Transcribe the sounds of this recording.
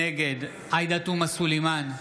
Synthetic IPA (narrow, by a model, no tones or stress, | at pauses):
eɡed̪ | ajd̪at̪umasulejman